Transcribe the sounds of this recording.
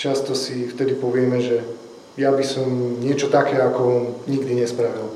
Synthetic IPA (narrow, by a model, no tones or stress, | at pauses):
t͡ʃast̪ɔsift̪ɛd̪ipɔʋɪɛmɛʒɛ | jabisɔmɲɪɛt͡ʃɔt̪akɛːakɔɲiɡd̪iɲɛspɾaʋil